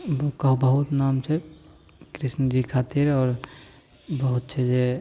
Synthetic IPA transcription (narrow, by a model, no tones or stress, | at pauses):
bukəɦubəɦut̪namt͡ʃʰe | kɾisnəd͡ʒikʰat̪iɾɔːɾ | bəɦut̪̚t͡ʃʰɛd͡ʒe